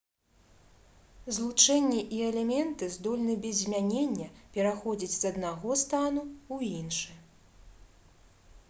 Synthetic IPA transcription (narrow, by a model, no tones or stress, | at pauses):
zlˠut͡ʂɛnʲːiʔiɛlʲɛmʲɛnt̪ɨzd̪ɔlʲnɨbʲɛzʲmʲanʲenʲːɐpʲɛɾaxɔd͡zʲit͡sʲz̥ɐd̪naɣɔst̪anuuinʂɨ